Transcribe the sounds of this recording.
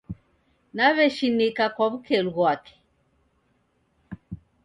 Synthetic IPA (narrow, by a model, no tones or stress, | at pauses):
naβɛʃinikakwaβukɛluɣwakɛ̥